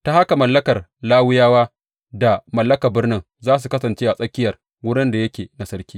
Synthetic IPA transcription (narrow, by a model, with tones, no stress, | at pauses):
ta˦ha˦ka˨mɐ˨lːɐ˦kɐ˨rlaː˦wʊ˦jaː˦waː˦ | da˨mɐ˨lːɐ˦kɐ˨bɪ˦rnɪ˦ŋ | zaː˦s̬u˨kɐ˦sɐ˨nt͡ʃeː˦ʔa˨sʼɐ˦kʲɪ˦jɐ˨r | wʊ˦ɽɪ˦nda˨jɐ˦kʲeː˨na˨sɐ˦rkʲiː˦